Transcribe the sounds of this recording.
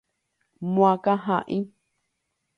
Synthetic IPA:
mw̃ãkaɦãʔĩ

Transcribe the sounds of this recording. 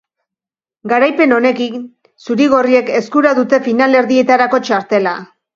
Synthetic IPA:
ɡaɾajpe̞no̞ne̞ki | suɾiɣo̞rie̞ke̞skuɾaðut̪e̞finale̞ɾðie̞t̪aɾako̞t͡ʃaɾt̪e̞la

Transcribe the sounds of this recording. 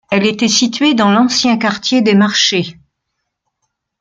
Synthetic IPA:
ɛlet̪ɛsit̪ɥed̪ɑ̃lɑ̃sjɛ̃kaʁt̪jed̪emaʁʃe

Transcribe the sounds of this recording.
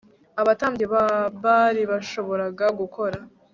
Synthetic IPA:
aβataːmbɟeββaɾiβaʃo̞βo̞ɾaɡaɡukʰo̞ɾa

